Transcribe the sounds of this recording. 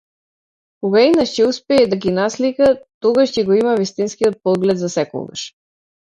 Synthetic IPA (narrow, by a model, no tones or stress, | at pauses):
koɡainaʃcɛuspɛːd̪aɡinaslikat̪oɡaʃcɛɡɔimavist̪inskiɔt̪̚pɔɡlɛt̪zasɛkɔ̰ɡa̰ʃ